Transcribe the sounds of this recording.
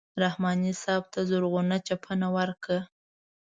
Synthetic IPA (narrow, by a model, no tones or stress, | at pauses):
ɾahmɑnisɑb̚t̪ʰazʊɾɣunat͡ʃapʰənawəɾkə